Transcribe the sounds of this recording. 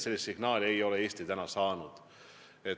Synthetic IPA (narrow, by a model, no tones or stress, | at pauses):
se̞lːist̪siɡ̥nɑːlʲie̞jo̞lee̞ːst̪it̪ænɑsɑːnud̪̥ | et